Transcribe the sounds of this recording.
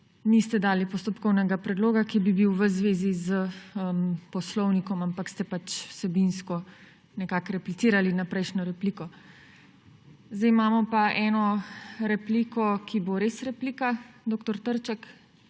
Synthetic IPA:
nist̪ɛd̪aːlipɔst̪ɔpkɔwnɛɡapɾɛd̪loːɡakibibiwʋəzʋeːzizəəmpɔslɔwnikɔmampakst̪ɛpat͡ʃwsɛbinskɔ | nɛkakɾɛplit̪siːɾalinapɾɛjʃnɔɾɛpliːkɔ | zd̪ɛjmaːmɔpaʔɛːnɔɾɛpliːkɔkiboɾeːsɾɛpliːkad̪oːkt̪ɔɾt̪əɾt͡ʃɛk

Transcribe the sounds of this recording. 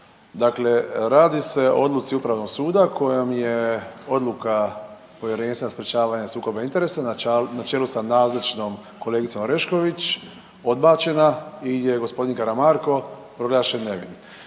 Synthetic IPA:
d̪akle̞ɾaːd̪ise̞o̰od̪lˠut̪siupɾaʋno̞ɡsuːd̪akʰo̞jamje̞o̞d̪lˠuka | po̞ʋje̞ɾeːnsenaspɾet͡ʃaːʋaːɲasuːko̞baint̪e̞ɾesanat͡ʃelusanaːzlat͡ʃno̞m | ko̞le̞ːɡit̪so̞mɾe̞ʃko̞ʋit͡ʃ | o̞d̪̚baːt͡ʃe̞naije̞ɡo̞spo̞d̪inkaɾamaɾko̞pɾo̞ɡlˠaːʃenːe̞ʋḭn

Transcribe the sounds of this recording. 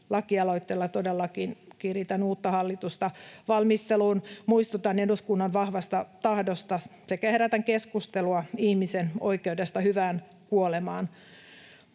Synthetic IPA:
lɑkiɑlo̞it̪ːelːɑt̪odelːɑkinkirit̪ænuːt̪ːɑhɑlːit̪ust̪ɑʋɑlmist̪eluːnmuist̪ut̪ɑneduskunːɑnʋɑhʋɑst̪ɑt̪ɑhdost̪ɑsekæheɾæt̪æŋkeskust̪eluɑihmiseno̰ikeudest̪ɑhyʋæːn | kuolemɑːn

